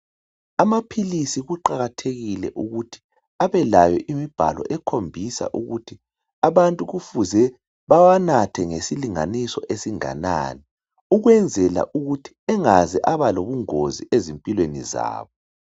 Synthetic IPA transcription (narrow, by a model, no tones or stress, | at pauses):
amapʰilisiɣuǃaɣatʰeɣilɛ̰ʔuɣutʰi̥ | aβɛlajɔ̰ʔimib̥ʱa̰lɔ̰ʔɛkʰombʱisa̰ʔuɣutʰi | aβantʼuɣufuzɛ | βawanatʰɛŋesiliŋa̰nisɔ̰ʔesiŋa̰na̰ni | uɣwɛnd͡zʱɛla̰ʔuɣutʰi̥ɛŋazɛʔaβaloβuŋoziʔezimpʼilwenḭza̰ːβɔ